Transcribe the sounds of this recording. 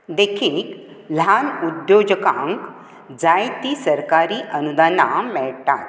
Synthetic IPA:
d̪ekʰiːk | l̤anud̪jod͡ʑəkã̰ŋk | d͡zajt̪iːsəɾkaɾiːʔənud̪anamɛɭt̪a̰t̪

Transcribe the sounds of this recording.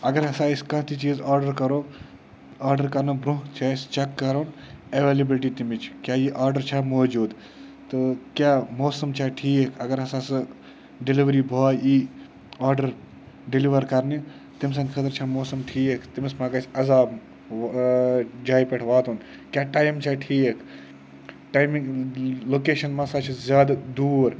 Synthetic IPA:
ɐɡɐɾɦɐsaːiskɐ̃ːt̪it͡ʃiːzaːɾɖəɾkɐɾoː | aːɾɖəɾkɐɾnɐbɾuɦt͡ʃʰaːst͡ʃɐkːɐɾɐːneʋeːlibilʈ̬iːt̪imit͡ʃʰkʲjaːjiʔaːɾɖəɾt͡ʃʰaːmoːd͡ʒuːd̪ | t̪ɨkjaːmoːsɐmt͡ʃʰaːʈʰiːekʰɐɡɐɾɦɐsaːsɨ | ɖiliʋɐɾiːbʱoːji | aːɾɖɐɾ | ɖiliʋɐɾkɐɾne | t̪ims̬ɐnʲkʰɐt̪ɾt͡ʃʰamoːsɐmʈʰiːekʰt̪imismãːɡɐt͡ʃʰɐzaːb | d͡ʒaːjpɐʈʰʋaːt̪uːn | kʲjaːʈaːjmt͡ʃʰaʈʰiːkʰ | ʈaːjmiŋloːkeːʃɐnmasaːt͡ʃʰizʲjaːd̪ad̪uːɾ

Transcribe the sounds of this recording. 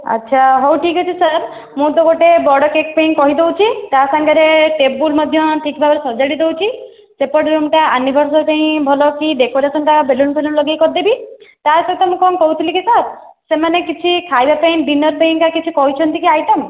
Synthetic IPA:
a̰tːʃʰaɦowʈʰikɔt͡ʃʰisəɾ | mũt̪ɔɡoʈebɔɽɔkek̚paĩkɔɦid̪ewt͡ʃʰit̪asaŋɡaɾeʈep̚bulmɔd̪ʱjɔʈʰikbʱabaɾesɔd͡ʒaɽid̪ewt͡ʃʰi | sepɔɽeɾumʈaanibʱɔɾsɔɾpaĩbʱɔlɔkiɖekɔɾasɔɳʈabʱelunpʰelunlɔɡejkɔɾd̪ebit̪aɾsɔt̪ɔmũkɔnkɔɦut̪ʰilikisəɾ | semanekit͡ʃʰikʰajbapaĩɖinɔɾpaĩkakit͡ʃʰikɔɦit͡ʃʰɔnt̪ikiajʈəm

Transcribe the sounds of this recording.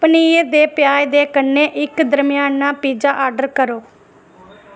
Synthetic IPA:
pniːd̪eːpjaːjd̪eːkənːeːʔɪkd̪əɾmɪjaːnãːpiːd͡ʒaːʔaːɾɖəɾkəɾoː

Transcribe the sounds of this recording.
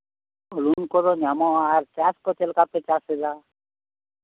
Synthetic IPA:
ɔlunkɔɾɔnamɔaɾt͡ʃaskɔt͡ʃɛlkapet͡ʃasela

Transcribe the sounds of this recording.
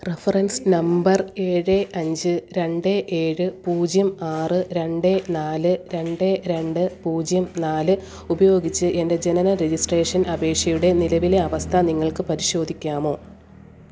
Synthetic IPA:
refɐrɐnsnɐmbɐreːɻeʔɐɲd͡ʑɨɾe̞ɳɖeʔeːɻɨpuːd͡ʑjɐmaːrɨɾe̞ɳɖenaːlɨɾe̞ɳɖeɾe̞ɳɖɨpuːd͡ʑjɐmnaːlɨ | ubɐjo̞ːɡit͡ɕːɨʔe̞nde̞d͡ʑe̞nɐnɐɾed͡ʑisʈreːʂɐnɐbe̞ːkʂjɐjuɽe̞nilɐʋile̞ɐʋɐst̪ʰɐniŋːɐɭkɨpɐɾiɕo̞ːd̪ʱikʲːaːmo̞ː

